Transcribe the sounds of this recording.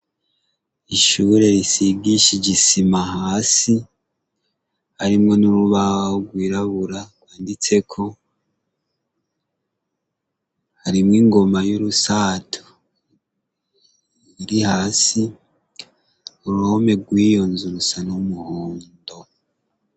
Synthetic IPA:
iʃuɾe̞ɾisiɡiʃiɟisimahaːsi | haɾimŋo̞nuɾuβahoɡwiːɾaβuɾaɡ̥waːndit͡se̞kʰo̞ | haɾimŋiːŋɡo̞majuɾusaːtʰu̥ | iɾihaːsi | uɾuho̞me̞ɡwiːjo̞nzuɾusanumuhoːndo̞

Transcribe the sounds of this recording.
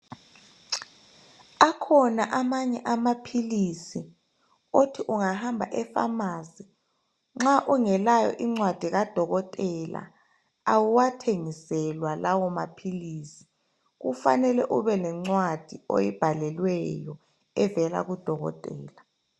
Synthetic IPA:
akʰɔnaʔamaɲɛʔamapʰilisi | otʰiʔuŋahambʱa̰ʔɛfa̰maːzi | ŋ͡ǁaʔuŋɛlajɔ̰ʔiŋ͡ǀwad̥ʱiɣad̥ʱɔɣɔtʼɛla̰ | awuwatʰeŋisɛlwalʔawɔma̰pʰiliːsi̥ | ɣufa̰nɛlɛʔuβɛlɛŋ͡ǀwad̥ʱio̰jib̥ʱalɛlwɛjɔ | ɛvɛla̰ɣud̥ʱɔɣɔ̰tʼɛ̰ːla

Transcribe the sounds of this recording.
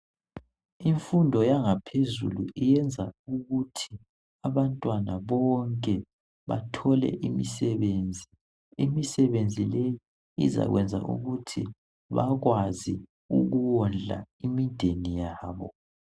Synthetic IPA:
iɱfundʱɔjaŋapʰezṵluijɛnd͡zʱauɣutʰi | aβantʼwanaβɔŋkʼɛ | βatʰɔlɛ̰ʔimisɛβeːnd͡zʱi | imisɛβend͡zʱileji | ḭza̰ɣwɛnd͡zʱa̰ʔṵɣutʰi | βaɣwazi | uɣuwɔnd͡ɮʱa̰imid̥ʱenijaːβɔ̰

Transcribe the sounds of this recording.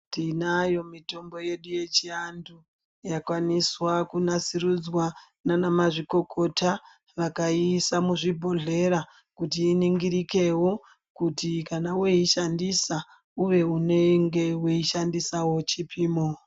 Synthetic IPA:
tinajo̞mito̞mbo̞je̞ɗuje̞t͡ʃiandu | jakwaniswakunasirud͡zwa | nanamaʐiko̞kʰo̞tʰa | ʋakaisamuʐibʱo̞ɮe̞ɾa | kutiːniŋɡiɾike̞wo | kutikanaweiʃandisa | uʋe̞une̞ŋɡe̞weiʃandisawo̞t͡ʃipʰiːmo

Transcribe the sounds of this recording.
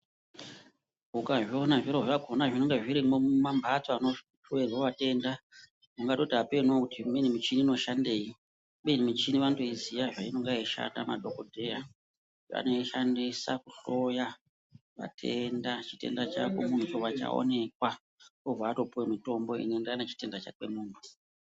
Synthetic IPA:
ɡʱukaʐo̞naʐiɾovaɡʱonaʐinoŋɡeʐiɾimomambʱat͡soano | pʰuweroʋate̞nda | maŋɡato̞tiapenwokutimenimit͡ʃiniːno̞ʃandeːi | ɓenimit͡ʃiniʋantoizijaʐaino̞ŋɡaiʃa̰tamadʱokodʱera | a̰no̞iʃandisa̰kuɬo̞ja | ʋa̰tʰendat͡ʃi̥te̞̰ndat͡ʃa̰kḛmun̤ut͡ʃoʋat͡ʃa̰o̰ne̞kwa | ovaːto̞puwemito̞mbo̞ḭnendanet͡ʃi̥te̞ndat͡ʃa̰kwe̞muːntʰu̥

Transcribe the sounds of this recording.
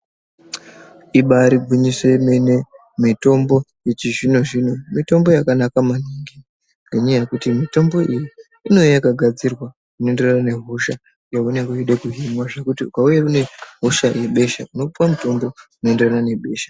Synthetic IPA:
iɓaɾiɡʱuɲise̞mene̞ | mito̞mbo̞ | et͡ʃiʐino̞ʐino̞mito̞mbo̞jakanakamaniŋɡi | ŋɡʱaɲajakutimito̞mbo̞ʔijiː | no̞jakaɡʱad͡zirwa | kuno̞e̞nde̞ranane̞ɦo̞ʃa | jaunekuiɗekuɦimwaʐekutiukaujakune̞ɦo̞ʃaje̞ɓe̞ʃa̰kuno̞puwamuto̞mbo̞unoenderanane̞ɓe̞ːʃḁ

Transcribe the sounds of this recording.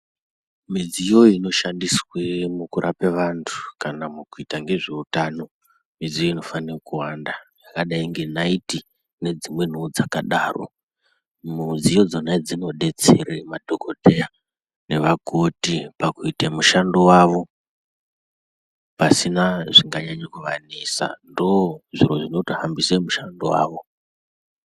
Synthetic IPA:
mid͡zijoino̞ʃandiswemukuɾʔapeʋantʰu̥kanamukuitaŋɡe̞ʐiutaːno̞ | mid͡zijo̞ino̞fanirkuwandajakaɗaiŋɡe̞naiti | ne̞d͡zimwe̞n̤uːd͡zakaɗaːro̞̰ | mud͡zijo̞d͡zonad͡zino̞ɗe̞t͡seremadʱokodʱeja | ne̞ʋakotipakuitemuʃandowaːʋo̞ | pasinaʐiŋɡaɲaɲekuʋanisa̰ndooʐiɾo̞ʐino̞tohambisemuʃando̰wa̰ːʋo̞

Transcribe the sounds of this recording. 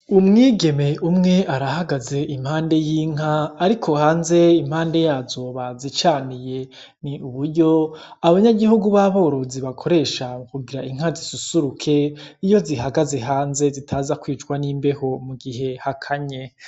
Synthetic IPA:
umŋiːɡe̞me̞ʔumŋe̞ʔaɾahaɡaze̞ʔim̥haːnde̞jiːŋ̥aːɾikʰo̞haːnze̞im̥haːnde̞jaːzo̞βazit͡ʃaːnije̞ | niuβuɾɟo̞aβaɲaɡihuɡuβaβo̞ːɾo̞ziβakʰo̞ɾe̞ːʃamkuɡiɾaiŋ̥ɦazisusuɾukʰe̞ijo̞ziɦaɡaze̞ɦaːnze̞zitʰaːzakwiːt͡ʃɡwaniːmbe̞ho̞muɡihɦe̞hakʰaɲe̞

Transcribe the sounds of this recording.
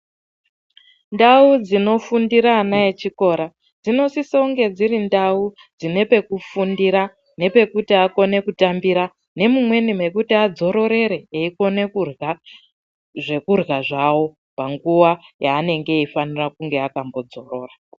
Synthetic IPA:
ndaud͡zino̞fundiɾaːnaet͡ʃiko̞ɾa | d͡zino̞sisouŋɡe̞d͡ziɾindau | d͡zine̞pe̞kufundiɾa | ne̞pe̞kutiako̞ne̞kutambiɾa | ne̞mumwe̞nimwe̞kutiad͡zo̞ɾo̞ɾe̞ɾe̞eiko̞ne̞kurɣa | ʐe̞kurɣaʐawo̞ | paŋɡuwajaːne̞ŋɡe̞ifanirakuŋɡeakambo̞d͡zo̞ro̞ːra

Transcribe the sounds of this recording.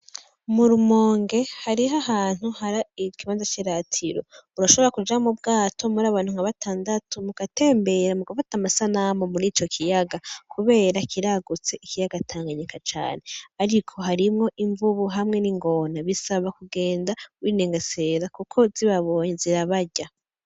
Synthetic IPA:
muɾumo̞ːŋɡe̞haɾiɦahaːn̥huhaɾaikiβaːnzat͡ʃiɾatʰiɾo̞̰uɾaʃo̞βo̞ɾakud͡ʒamubɡaːtʰo̞muɾaːβaːn̥uŋ̥aβataːndatumukate̞ːmbe̞ɾamuɡafatamasanamomuɾiːt͡ʃo̞kʰijaɡakuβe̞ːɾakʰiɾaɡut͡se̞ikijaɡatʰaːŋɡaɲikʰat͡ʃa̰ːne̞aɾikʰo̞ɦaɾimŋo̞ʔiɱvuβuɦamŋe̞niŋɡo̞naβisaβakuɡe̞ːndawiːneːŋɡese̞ːɾakukʰo̞ziβaβo̞ːɲeziɾaβaɟa

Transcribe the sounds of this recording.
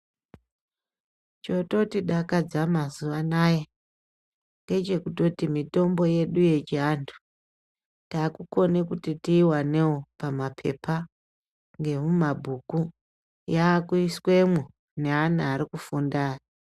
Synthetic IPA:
t͡ʃo̞to̞tiɗakad͡zamazuʋanaje | ŋɡe̞t͡ʃe̞kuto̞timito̞mbo̞je̞ɗuje̞t͡ʃiaːntʰu̥ | takuko̞ne̞kutitiːwane̞wopamapʰe̞̰pʰa | ŋɡe̞mumabʱuːku | jaːkuiswe̞mu | ne̞anaaɾikufundaːri

